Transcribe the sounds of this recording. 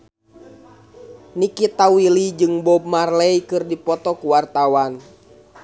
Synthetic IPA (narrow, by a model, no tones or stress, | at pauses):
nikit̪awilid͡ʒɨŋbɔb̚marlɛikɨrdipɔt̪ɔkuwart̪awan